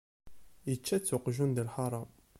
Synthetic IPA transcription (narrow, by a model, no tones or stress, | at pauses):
jət͡ʃːæt͡sːʊqʒund̪əlħɑɾˤɑm